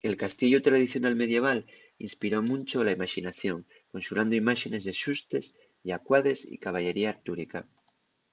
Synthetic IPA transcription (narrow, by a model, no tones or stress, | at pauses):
e̞lkast̪iʝot̪ɾað̞iθjo̞nalme̞ð̞je̞β̞al | ḭnspiɾo̞mũnt͡ʃolaimaʃinaθjo̞ŋ | ko̞nsuland̪oimaʃe̞ne̞zðe̞ʃust̪e̞s | akwaðe̞sḭkaβ̞aʎe̞ɾiaːɾt̪uɾika